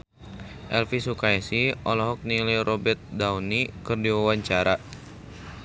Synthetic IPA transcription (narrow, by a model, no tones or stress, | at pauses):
ʔɛlfisukaɛsiʔɔlɔɦɔk̚niliɾʔɔbɛrt̪̚dawnikɨrdiwawaɲt͡ʃaɾa